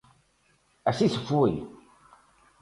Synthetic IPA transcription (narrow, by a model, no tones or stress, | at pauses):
æsisəfːuj